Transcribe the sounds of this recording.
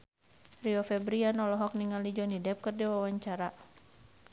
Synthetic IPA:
riɔfɛbɾianɔlɔɦɔk̚niŋalid͡ʒɔnidɛp̚kɨrdɛwawaɲt͡ʃaɾa

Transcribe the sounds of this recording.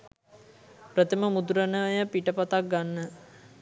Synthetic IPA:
pɾət̪əməmud̪uɾənəʋəjəpiʈəpat̪ak̚ɡanːə

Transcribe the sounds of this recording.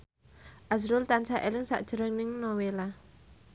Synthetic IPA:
ʔazɾʊlt̪ansaʔelɪŋsa̰ʔd̥ʒ̥ə̤ɾəŋnɪŋnɔwela

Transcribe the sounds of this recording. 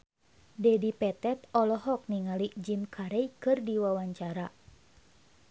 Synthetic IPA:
dɛdipɛt̪ɛt̪ɔlɔɦɔk̚niŋalid͡ʒimkʰaɾɛjkɨrdiwawaɲt͡ʃaɾa

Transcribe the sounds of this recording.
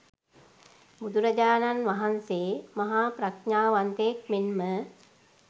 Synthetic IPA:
bud̪uɾəd͡ʒaːnanʋaɦanseːmaɦaːpɾakɲaːʋant̪ejk̚menmə

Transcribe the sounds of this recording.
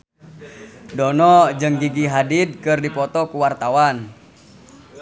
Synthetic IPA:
dɔnɔd͡ʒɨŋɡiɡiɦadid̚kɨrdipɔt̪ɔkuwart̪awan

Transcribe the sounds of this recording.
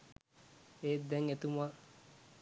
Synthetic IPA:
eːd̪ɛŋet̪uma

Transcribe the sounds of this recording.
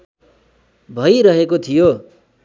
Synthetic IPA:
bʱʌjɾʌɦekot̪ʰijo

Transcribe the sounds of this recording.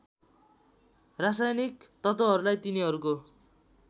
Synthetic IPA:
rasajnikt̪ʌt̪ʌɦʌɾulajt̪iniɦʌɾuko

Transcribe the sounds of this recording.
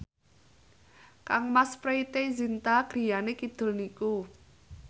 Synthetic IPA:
kaŋmaspɾeit̪ezint̪aɡ̥ɾi̤janekid̪̥ʊ̤lniku

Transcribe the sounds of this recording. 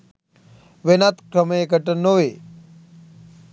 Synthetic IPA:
ʋenat̪kɾəmeekəʈənːoʋeː

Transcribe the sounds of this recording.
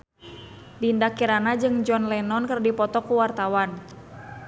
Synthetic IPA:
dindakiɾanad͡ʒɨŋd͡ʒɔnlɛnɔnkərdipɔt̪ɔkuwart̪awan

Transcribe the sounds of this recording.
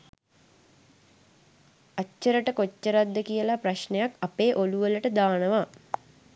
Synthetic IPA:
at͡ʃːəɾəʈəkot͡ʃːəɾad̪ːəkijəlapraɕɳejakapeːʔoluʋələʈəd̪aːnəʋa

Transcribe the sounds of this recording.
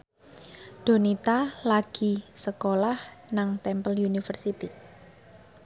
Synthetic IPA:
d̥o̤nit̪alaɡ̥i̤səkolahnaŋt̪ɛmpəljunifərsit̪i

